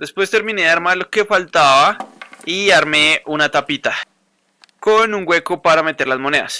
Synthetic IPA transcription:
d̪e̞spwe̞st̪e̞ɾmĩne̞aɾmaloke̞falt̪aβaiaɾme̞unat̪apit̪a | ko̞nuŋɡwe̞ko̞paɾame̞t̪e̞ɾlazmo̞ne̞ða̰s

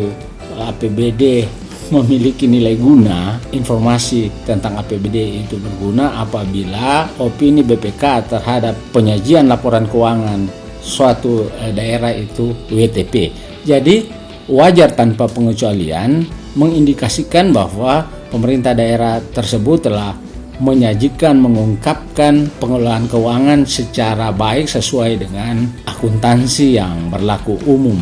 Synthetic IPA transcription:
apebede | məmilikinilajɡunainfɔrmasit̪ənt̪aŋapebedeit̪ubərɡunaʔapabilaopinibepekat̪ərɦadapːəɲad͡ʒianlapɔɾankuwaŋan | suat̪udaeɾait̪uwet̪epe | d͡ʒadi | wad͡ʒart̪anpapəŋət͡ʃualḭa̰n | məŋindikasikanbahwa | pəməɾint̪ahdaeɾaht̪ərsəbʊt̪ːəlah | məɲad͡ʒikanməŋuŋkap̚kanpəŋulaɦankəuwaŋansət͡ʃaɾabaɪksəsuajdəŋanakunt̪ansijaŋbərlakuʔumʊm

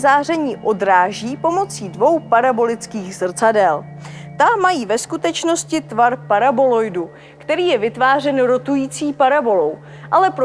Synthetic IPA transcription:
zaːrɛɲiːʔo̞dɾaːʒiːpo̞mo̞t͡siːdvo̞wpaɾabo̞lɪt͡skiːɣzr̩t͡sadɛl | t̪amajiːvɛskut̪ɛt͡ʃno̞scɪt̪vaɾpaɾabo̞lo̞jdu | kt̪ɛɾiːjɛvɪt̪vaːrɛnɾo̞t̪ujiːt͡siːpaɾabo̞lo̞w | ʔalɛpɾ

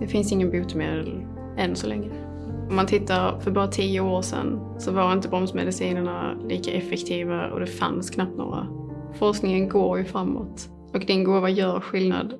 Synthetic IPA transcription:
d̪ɛfɪnsɪŋːənbuːt̪əmḛːd̪əl | ɛnsɔlɛ̰ŋːɾə | ɔmːant̪ʰɪt̪ːaɾfœɾbɑːɾat̪ʰiːəoːɾʂɛ̰n | sɔvaɾɪnt̪əbɾɔmsmɛ̰d̪ɪsiːnəɳaliːkaʔɛfɛkt̪ʰiːvaɔ̰d̪ɛfa̰nskʰnap̚t̪no̰ːɾa̰ | fɔʂknɪŋənɡoːɾjɵfɾamːo̰t̪ | ɔkd̪ɪnɡuːvajœːɾɧɪlna̰d̪

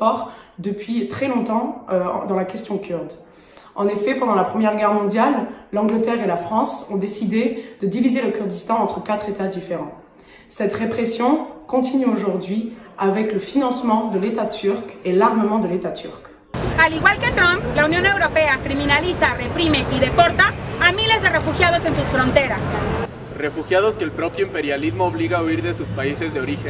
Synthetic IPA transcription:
pɔʁd̪əpɥit̪χɛlɔ̃t̪ɑ̰̃d̪ɑ̃lakʲɛst̪jɔ̃kʲʰyʁd̪ | ɑ̰̃nefɛpɑ̃d̪ɑ̃lapχəmjɛʁɡʲɛʁmɔ̃d̪jalːɑ̃ɡlət̪ɛʁelafχɑ̃sɔ̃d̪esid̪ed̪̥əd̪ivizeləkʲyʁd̪ist̪ɑ̃ɑ̃t̪χəkat̪χet̪ad̪ifeʁɑ̃ | sɛt̪ʁepχesjɔ̃kɔ̃t̪inyoʒuʁd̪ɥiavɛkləfinɑ̃smɑ̃d̪əlet̪at̪yʁkelaʁməmɑ̃d̪əlet̪at̪y̰ʁk | aliɣwalket̪ɾãmplaunjõne̞wɾopeakɾimĩnalisarepɾimeʔiðepoɾt̪aːmilezðerefuxjaðosensusfɾõnt̪e̞ɾas | refuxjaðoskeːlpɾopjoĩmpeɾjalizmoːβliɣauiɾðesuspaisezd̪eoɾixen

